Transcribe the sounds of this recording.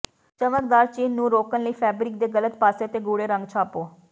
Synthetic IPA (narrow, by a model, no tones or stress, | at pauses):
t͡ʃəməkd̪aːɾt͡ʃiːnːũːɾoːkənləiːpʰɛːbɾɪkd̪eːɡələt̪paːseːt̪eːɡuːɽeːɾə̃ŋɡt͡ʃʰaːpoː